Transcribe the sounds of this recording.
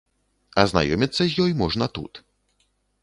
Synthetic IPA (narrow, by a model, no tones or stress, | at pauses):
azna̰jɔmʲɛt̪sɛʑjɔjmɔʐnat̪ṵt̪